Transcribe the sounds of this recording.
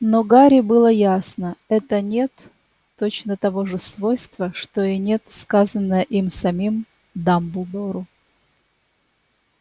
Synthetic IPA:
noɡaɾʲɪbɨlˠəjasnəɛt̪ənʲe̞t̪ː | ot͡ɕnət̪ɐvo̞ʐɨsvo̞jst̪vəʂt̪oɪnʲe̞t̪skazənːəjəʔimsɐmʲim | d̪ambʊd̪oɾʊ

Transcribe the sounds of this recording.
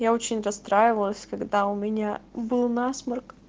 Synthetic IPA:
jao̞t͡ɕɪnʲrɐst̪ɾajɪvəlˠəsʲkɐɡd̪aʊmʲɪnʲabɨlˠnasmərk

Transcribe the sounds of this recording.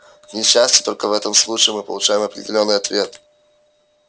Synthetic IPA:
vnʲɪɕːæsʲtʲɪ̥t̪o̞lʲkəvɛt̪əmslˠut͡ɕɪɪmɨpə̰lˠʊt͡ɕæjɪmɐpɾʲɪ̰dʲɪlʲo̞nːɨjɐt̪vʲe̞t̪

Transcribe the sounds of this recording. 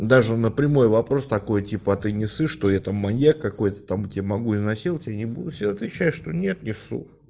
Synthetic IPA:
d̪aʐɨnəpɾʲɪmo̞jvɐpɾo̞st̪ɐko̞jtʲipəɐt̪ɨnʲɪsɨʂt̪o̞jat̪amːɐjakːɐko̞jt̪ə̥t̪amʊtʲɪamɐɡuɪznɐsʲilˠtʲɪjanʲɪbud̪ʊfsʲed̪aɐt̪vʲɪɕːæjʂt̪onʲe̞t̪nʲɪfsṵ

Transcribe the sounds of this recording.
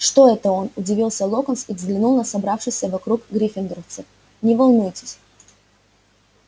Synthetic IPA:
ʂt̪o̞ɛt̪əonʊdʲɪvʲilˠsʲəlˠokənsivzɡlʲɪnulˠnəsɐbɾafʂɨjsʲəvɐkɾukɡɾʲifʲɪnd̪ɾəft̪sɨf | nʲɪvɐlˠnujtʲɪ̥sʲ

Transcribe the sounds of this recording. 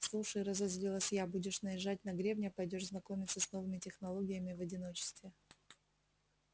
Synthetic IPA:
slˠuʂəjɾəzɐzʲlʲilˠəsʲjabudʲɪʂnəjɪʐatʲnɐɡɾʲevnʲəpɐjdʲo̞ʐznɐko̞mʲɪt̪səsno̞vɨmʲɪtʲɪxnɐlˠo̞ɡʲɪjəmʲɪvɐdʲɪno̞t͡ɕɪ̥st̪vʲɪ

